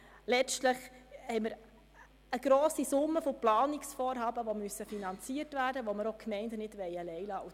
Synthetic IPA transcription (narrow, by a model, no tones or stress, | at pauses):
lɛt͡ʃtləχhɛɪməɾ | əɡ̥ɾoːsisʊmːəfoplɑːniksfɔːɾɦɑːbəʋomyəsːəfinɑnt͡siərtʋæːrdəʋoməɾokʰmɛɪndənɪdʋɛjəlɛɪlɑːu